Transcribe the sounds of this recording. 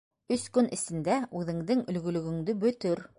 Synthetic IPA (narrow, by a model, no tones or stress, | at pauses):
ɵskɵnʔɘ̆sɘ̆nd̪æʉðɘ̆ŋðɘŋɵ̆lɡɵ̆lɵ̆ɡɵ̆ŋd̪ɘbɵ̆t̪ɵɾ